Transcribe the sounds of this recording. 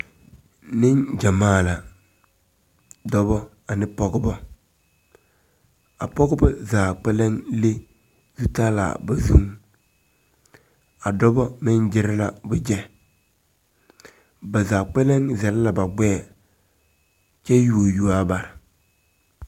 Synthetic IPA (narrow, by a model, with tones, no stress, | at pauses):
nɪ˦nd͡ʒa˨maː˦˨la˨ | dɔ˦bɔ˦ | a˨nɪ˦pɔ˦ɡʊ˦bɔ˦ | a˨pɔ˦ɡʊ˦bɔ˦zaː˨k͡pɛ˦le˦ŋle˦ | zu˦ta˦la̰˨ba˨zu˦ŋ | a˨dɔ˦bɔ˦mɪ˦nd͡ʒɪ˦ɾɪ˦la˨bʊ˨d͡ʒɛ˦ | ba˨zaː˨k͡pɛ˦le˦ŋzɛ˨la˦la˨ba˨ɡ͡bɛː˦˨ | t͡ʃɛ˦ju˨o˨ju˨a˦ba˨ɾ